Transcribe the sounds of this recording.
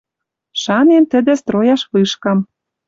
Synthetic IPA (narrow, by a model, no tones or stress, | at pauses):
ʃɑnent̪ə̆d̪ĕst̪ɾojɑʃβɯʃkɑm